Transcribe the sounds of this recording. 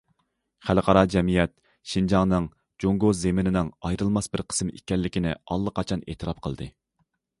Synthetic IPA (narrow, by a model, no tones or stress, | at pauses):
χælqʰɑɾɑd͡ʒɛmijɛt̪̚ | ʃind͡ʒɑŋnɨŋ | d͡ʒoŋɡozemɪnɪnɪŋɑjɾɨlˠmɑsbɪɾqʰə̥smḛkʲɛlːɪkʲinɪ̰ɑlˠːəqʰɑt͡ʃʰɑnḛːt̪ʰɨɾɑp̚qʰəlˠd̪ɨ̰